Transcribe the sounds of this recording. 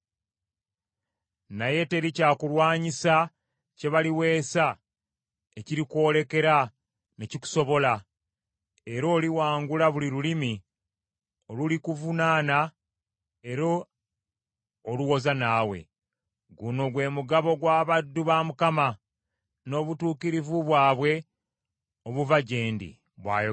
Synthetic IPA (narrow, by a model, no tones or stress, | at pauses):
naje̞te̞ɾicaːkulwaːɲisa | ce̞βaliwe̞ːsa | eciɾikwo̞ːle̞ke̞ɾa | ne̞ciku̥so̞βo̞la | eɾo̞ːliwaːŋɡulaβuliɾulimi | o̞lulikuvunaːna | eɾo̞ | luwo̞zanaːwe̞̰ | ɡuno̞ɡwe̞ːmuɡaβo̞ɡwaːβadːuβamukama | no̞ːβutuːkiɾivuβwaːβwe̞ | oβuvaɟe̞ːndḭ | βwa̰ːj